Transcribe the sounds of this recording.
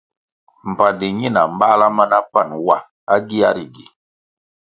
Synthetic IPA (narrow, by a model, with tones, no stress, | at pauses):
m̩˨pa˨di˨ɲi˦˨na˨m˦ba˦la˦ma˦na˦pa˦˨nwa˨ | a˦ɡi˦a˦ɾi˨ɡi˨